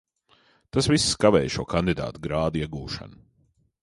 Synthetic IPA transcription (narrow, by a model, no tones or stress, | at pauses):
t̪asvisːkavɛ̰ːjʃuɔkand̪id̪a̰ːt̪uɡɾaːd̪iɛɡuːʃa̰nu